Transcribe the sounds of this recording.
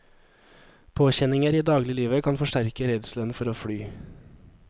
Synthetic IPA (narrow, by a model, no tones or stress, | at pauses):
pʰoːçɛnɪŋəɾiːd̪ɑːɡlɪliːʋəkʰɑnfɔʃʈæɾkəɾɛd̪slœnfɔɾoːfɽyː